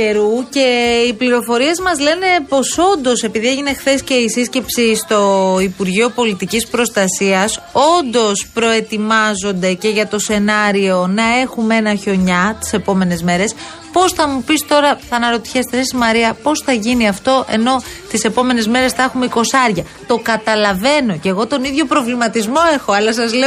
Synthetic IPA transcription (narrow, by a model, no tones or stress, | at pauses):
eɾuce̞ipliɾo̞fo̞ɾie̞zmɐzle̞ne̞po̞so̞nd̪o̞se̞piðieʝine̞xθe̞sce̞isisce̞psist̪o̞ipuɾʝio̞po̞lit̪icispɾo̞st̪ɐsiɐso̞nd̪o̞spɾo̞e̞t̪imɐzo̞nd̪e̞ce̞ʝɐt̪o̞se̞nɐɾio̞nɐe̞xume̞nɐço̞ɲɐt̪i̥se̞po̞me̞ne̞zme̞ɾe̞s | po̞sθɐmupist̪o̞ɾɐθɐnɐɾo̞t̪i̥çe̞st̪esesimɐɾiɐpo̞sθɐʝiniɐft̪o̞ʔe̞̰no̞t̪ise̞po̞me̞ne̞zme̞ɾe̞sθɐexumeiko̞sɐɾʝɐ | t̪o̞kɐt̪ɐlɐve̞no̞ceɣo̞t̪o̞niðʝo̞pɾo̞vlimɐt̪izmo̞e̞xo̞ɐlɐs̬ɐzle̞